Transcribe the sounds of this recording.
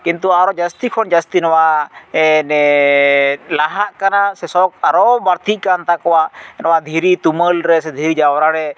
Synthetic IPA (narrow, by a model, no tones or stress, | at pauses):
kint̪uaɾɔd͡ʒəst̪ikʰɔnd͡ʒəst̪inɔwaɛnɛ | laɦaʔkanasɛsɔkaɾɔbaɾt̪ʰiʔkant̪akɔwaʔnɔwad̪ʱiɾit̪uməlɾɛsɛd̪ʱiɾid͡ʒawɾaɾɛ